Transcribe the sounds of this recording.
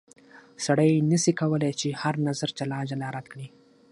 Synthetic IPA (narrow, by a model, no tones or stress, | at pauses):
saɽəjnəsikawəlajt͡ʃehaɾnazaɾt͡ʃalɑd͡ʒalaɾad̪kɽi